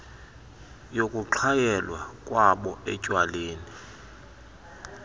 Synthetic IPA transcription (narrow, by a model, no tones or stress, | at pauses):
jokʼuǁʰajɛlwakʼwaɓɔɛcʼwaleːni